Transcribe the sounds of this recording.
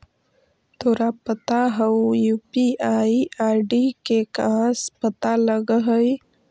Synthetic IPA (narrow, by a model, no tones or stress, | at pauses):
t̪oɾapət̪aɦəwjupiaiaɖikekãspət̪aləɡəɦəj